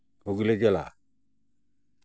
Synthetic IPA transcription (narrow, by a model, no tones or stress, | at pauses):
uɡleɡela̰